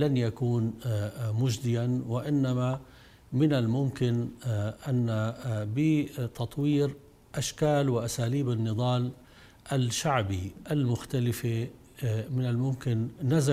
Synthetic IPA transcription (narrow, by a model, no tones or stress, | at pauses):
lanjakuːnmʊd͡ʒd̪ɪjanwɪʔɪnːama | mɪnɪlmʊmkɪnʔanːabɪt̪ɑt̪ˤwiːɾ | ʔaʃkaːlwɪʔasaːliːbɪnːɨðˤɑːl | ʔalʃaʕbiʔalmʊxt̪alɪfe | mɪnɪlmʊmkɪnːaza